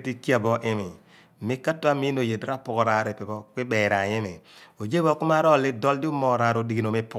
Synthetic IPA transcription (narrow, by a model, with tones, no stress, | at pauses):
ti˦kja˦˨bɔ˦ʔɪ˦mɪ˨ | mɪ˦ka˦tːa˦mi˦no˨je˨dɾa˦pʊ˦kɔ˨ɾa˨ɾe˨pɪ˨bɔ˦kwɪ˦bɛ˨ɾa˨ɪ˦mɪ˨o˨d͡ʒe˦bɔ˦kʊ˦ma˦ɾɔ˦˨lɪ˦dɔ˦ldɪ˦o˦mɔ˦ɾa˨ɾo˨di˨ɡi˨no˨me˦pʊ˦